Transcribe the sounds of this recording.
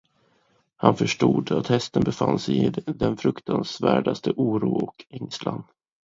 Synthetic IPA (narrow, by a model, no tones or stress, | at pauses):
hanfœʂʈuːd̪at̪hɛst̪ənbɛfansɛjɪd̪ɛnfɾɵkt̪ʰansvæːɖast̪ʰəʔuːɾuːɔkʰɛŋslan